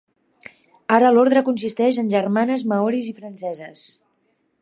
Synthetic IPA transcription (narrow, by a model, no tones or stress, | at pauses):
aɾəloɾðɾəkunsist̪ɛʒənʲʒərmanəzməɔɾizifɾənsɛzəs